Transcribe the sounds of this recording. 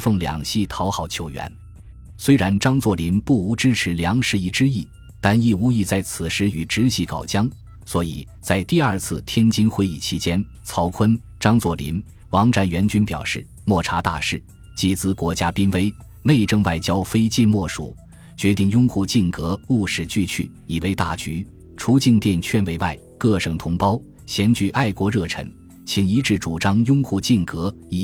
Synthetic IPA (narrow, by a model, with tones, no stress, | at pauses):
fɤ˥˩ŋljɑ̰˨˩ŋɕi˥˩t̪ʰɑ˧˥ʊxɑ˨˩ʊt͡ɕʰjo˧˥ʊɥɛ̰˧˥n | swe˥ɪɻa˧˥nʈ͡ʂɑ˥ŋt͡swɔ˥˩li˧˥npu˥˩u˧˥ʈ͡ʂɻ̩˥ʈ͡ʂʰɻ̩˧˥ljɑ˧˥ŋʂɻ̩˥˧i˥˩ʈ͡ʂɻ̩˥i˥˩ | t̪a˥˧ni˥˩u˧˥i˥˧t͡sa˥˩ɪt͡sʰɹ̩˨˩ʂɻ̩˧˥y˨˩ʈ͡ʂɻ̩˥ɕi˥˩kɑ˨˩ʊt͡ɕjɑ˥ŋ | swɔ˧˥ḭ˨˩ | t͡sa˥˧ɪt̪i˥˧ɐ˞˥˧t͡sʰɹ̩˥˧t̪ʰjɛ˥nt͡ɕi˥nxwe˥ɪḭ˥˩t͡ɕʰi˧˥t͡ɕjɛ˥n | t͡sʰɑ˧˥ʊkʰwə˥n | ʈ͡ʂɑ˥ŋt͡swɔ˥˩lḭ˧˥n | wɑ˧˥ŋʈ͡ʂa˧˥nɥɛ˧˥nt͡ɕy˥npjɑ̰˨˩ʊʂɻ̩˥˩ | mwɔ˥˩ʈ͡ʂʰa˧˥t̪a̰˥˧ʂɻ̩˥˩ | t͡ɕi˧˥˩t͡sɹ̩˥kwɔ˧˥t͡ɕja˥pi˥nwe˥ɪ | le˥˧ɪʈ͡ʂɤ˥ŋwa˥˩ɪt͡ɕjɑ˥ʊfe˥ɪt͡ɕi˥˧nmwɔ˥˩ʂṵ˨˩˦ | t͡ɕɥɛ˧˥t̪i˥˩ŋjʊ˥ŋxu˥˧t͡ɕi˥˩nkɤ˧˥u˥˩ʂɻ̩˥˩t͡ɕy˥˧t͡ɕʰy̰˥˩ | i˨˩we˧˥ɪt̪a̰˥˩t͡ɕy˧˥ | ʈ͡ʂʰu˧˥t͡ɕi˥˧ŋt̪jɛ˥˧nt͡ɕʰɥɛ˥nwe˧˥ɪwa̰˥˩ɪkɤ˥˩ʂɤ˨˩ŋt̪ʰʊ˧˥ŋpɑ˥ʊ | ɕjɛ˧˥nt͡ɕy˧˥ʔa˥˩ɪkwɔ˧˥ɻɤ˥˩ʈ͡ʂʰɤ̰˧˥ŋ | t͡ɕʰi˧˥ŋi˧˥ʈ͡ʂɻ̩˥˩ʈ͡ʂu˨˩ʈ͡ʂɑ˥ŋjʊ˥ŋxu˥˧t͡ɕi˥˩nkɤ˧˥ | i˧˥